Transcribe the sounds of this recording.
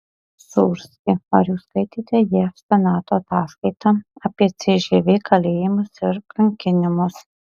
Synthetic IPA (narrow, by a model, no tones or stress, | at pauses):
sʊːɾʲsʲkʲɪɐɾjuːskɐɪt̪ʲiːt̪ʲɛjiɛsʲɛnɑːt̪oːɐt̪ɑːskɐɪt̪ɑɐːpʲiɛt̪sʲeʒʲeːʋʲeːkʰɐlʲeːjɪmʊsɪɾkɐŋʲkʲɪnʲɪmʊs